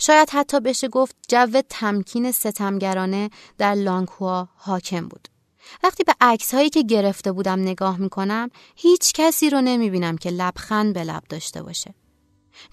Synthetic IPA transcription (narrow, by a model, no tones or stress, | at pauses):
ʃɒːjæd̪̥hæt̪ʰːɒːbe̞ʃe̞ɡo̞ft̪̚d͡ʒævːe̞t̪ʰæmcʰiːne̞se̞t̪ʰæmɟæɾɒːne̞ | d̪̥æɾlɒːŋkʰuɒːhɒːcʰe̞mbṵːd̪̥ | væχt̪iːbe̞ʔæcshɒːjiːcʰe̞ɟe̞ɾe̞ft̪e̞buːd̪æmne̞ɡɒːhmiːkʰo̞næm | hiːt͡ʃʰcʰæsiːɾone̞miːbiːnæmcʰe̞læb̥xænbe̞læ̰b̥̚d̪ɒːʃt̪e̞̰bɒ̰ːʃe̞